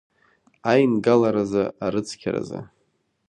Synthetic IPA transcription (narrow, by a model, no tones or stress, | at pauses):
ajnɡalaɾazaaɾɨt͡sʰkʲʰaɾa̰za̰